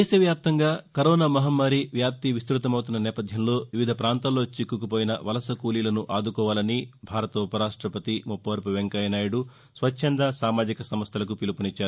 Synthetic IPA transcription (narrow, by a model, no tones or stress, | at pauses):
d̪eːʃɐʋjaːp̚t̪ɐŋɡaːkɐɾɔːnaːmɐɦɐmːɐɾiʋjaːp̚t̪iʋist̪ɾut̪ɐmɐwt̪unːɐnɛːpɐd̪ʱjɐmlo̞ːʋiʋid̪ʱɐpɾaːnt̪aːlːo̞ːt͡ʃikːukupoːjinɐ̰ʋɐlɐsɐkuːliːlɐnuʔaːd̪ukɔːʋaːlɐnibʱaːɾɐt̪upɐɾaːʂʈɾɐpɐt̪imupːɐʋɐɾpɐʋeŋkɐjɐnaːjuɽu | sʋɐʃʰend̪ɐsaːmaːd͡ʒikɐsɐmɐst̪ʰɐlɐk̬upilupɐnit͡ʃːaːɾu